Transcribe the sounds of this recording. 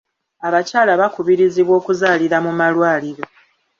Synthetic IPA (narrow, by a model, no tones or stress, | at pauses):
aβacaːlaβakuβiɾiziβwo̞ːkuzaːliɾamumalwaːliɾo̞